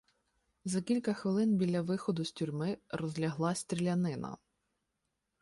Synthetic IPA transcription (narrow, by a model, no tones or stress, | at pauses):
zɐkʲilʲkɐxʋɪlˠɪnbʲilʲːɐʋɪxɔd̪ʊsʲtʲurʲmɪɾɔzʲlʲɐɦlˠɑsʲt̪ʲɾʲilʲɐnɪnɐ̰